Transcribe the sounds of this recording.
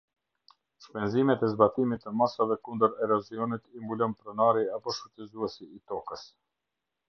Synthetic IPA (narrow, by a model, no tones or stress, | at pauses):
spɛnzimɛt̪ɛzbat̪imit̪ːəmasavɛkund̪əɾɛɾɔziɔnit̪imbulɔnpɾɔnaɾiapɔʃutɛzuɛsiːt̪ɔkəs